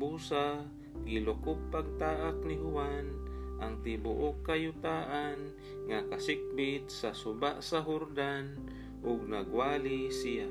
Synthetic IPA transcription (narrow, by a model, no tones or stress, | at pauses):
busa | ɡɪlʊkʊpːaɡ̚t̪aːʔak̚nɪɦʊwanʔaŋt̪ɪbʊʔʊkːajʊt̪aːʔan | ŋakasɪk̚bɪt̪̚sasʊbaʔsaɦʊɾd̪an | ʔʊɡ̚naɡwaːlisija